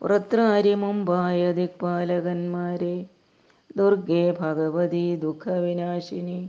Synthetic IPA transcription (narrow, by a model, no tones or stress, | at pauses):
ṵɾɐt̪ɾaːɾjɐmɐmbʱaːjɐd̪ik̚paːlɐɡɐnmaːɾeː | d̪uɾɡeːbʱɐɡɐʋɐd̪id̪ukʰɐʋinaːʂini